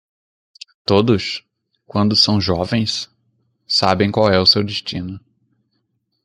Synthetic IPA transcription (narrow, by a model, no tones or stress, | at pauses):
t̪od̪ʊs | kwɐ̃nd̪ʊsɐ̃w̃ʒɔvẽj̃s | sabẽj̃kwawɛʊsewd̪ɪʃt͡ʃĩnʊ